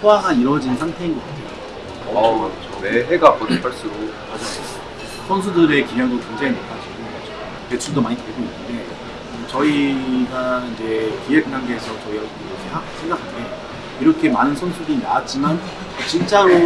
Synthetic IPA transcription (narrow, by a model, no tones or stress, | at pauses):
pʰoaɡaiɾwʌd͡ʑinsʰaŋtʰe̞inɡʌk͈atʰejoo | kkɯt͡ɕʰone̞ɦe̞ɡapʌdepʰaɭs͈uɾo | mad͡ʑaʌ | sʰʌns̬ʰudɯɾe̞kimjʌŋdokeŋd͡ʑeinopʰad͡ʑiɡo | kʰet͡ɕʰudomaɲiteɭɡoinːɯnde̞ | ɯt͡ɕʌiɡaind͡ʑe̞kiekɯnaŋɡeːsʰʌt͡ɕʌiʌd͡ʑʌiɾʌkʰe̞haɡsʰe̞ŋɡakʰanɡe̞ | iɾʌkʰe̞manɯnsʰʌnsʰuɾina̰at̚t͡ɕ͈iman | ot͡ɕint͡ɕ͈aɾo